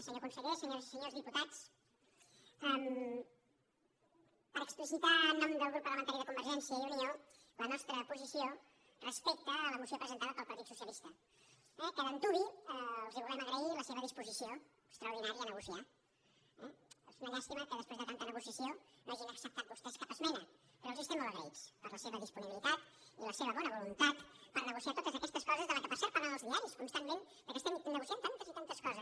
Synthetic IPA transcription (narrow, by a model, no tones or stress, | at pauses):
səɲokunsəʎesəɲozsəɲozðiput̪at͡s | əm | pəɾəksplisit̪aːnɔmd̪əlˠɣɾupːɾləmənt̪aɾjiðəkumbəɾʒɛnsiəiuniolənɔst̪ɾəpuzisijo | rəspek̚t̪əːləmusiopɾəzənt̪aðəpəlˠpɐɾt̪it̪su̥sjəlist̪ə | ɛkəðənt̪uβiəlˠziβulɛməɣɾəiləseβəðispuzisioəkst̪ɾəuɾðinaɾjəːnəɣusia | ɛzmɛnəst̪imat̪̚kəðəspɾezðət̪ant̪ənəɣusiəsionoaʒinəksəp̚t̪at̪bust̪ɛskapəzmɛnəpəɾɔlˠzist̪ɛmːoləɣɾə̰it͡spəɾləseβəðispuniβilit̪at̪iləseβəβɔnəβulunt̪at̪pəɾnəɣusiat̪ot̪əzəkɛst̪əskɔzəzðələkəpəɾsaɾpəɾaðəlˠzðiaɾiskunst̪amːmẽn | d̪əkɛst̪ənːəɣusiant̪ant̪əzit̪ant̪əskɔzəs